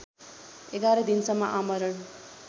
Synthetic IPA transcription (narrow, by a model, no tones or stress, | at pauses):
eɡaɾʌd̪insʌmːʌʔamʌɾʌn